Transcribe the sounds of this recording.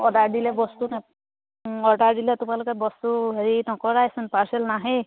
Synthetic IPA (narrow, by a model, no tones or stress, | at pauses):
ɔdaɹdilɛbɔst̪una | ɔdaɹdilɛtʊmalʊkɛbɔst̪uɦeɹinɔkɔɹajsunpaɹsɛlnaɦɛ